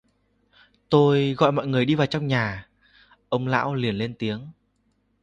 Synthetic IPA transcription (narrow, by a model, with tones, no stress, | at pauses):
t̪o˧jɣɔ̰˧˨jmɔ̰˧˨jŋɨ˨˩əjɗi˧vaː˨˩wt͡ɕɔ˧wŋ͡mɲaː˨˩ | ʔə˧wŋ͡mla̰ː˧˥wli˨˩ənle˧nt̪i˨˦əŋ